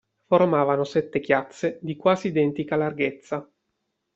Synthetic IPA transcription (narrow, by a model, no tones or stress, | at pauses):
formaːvanosɛt̪ːek̟jat̪sːed̪ikwaːziːd̪ɛnt̪ikalarɡet̪sːa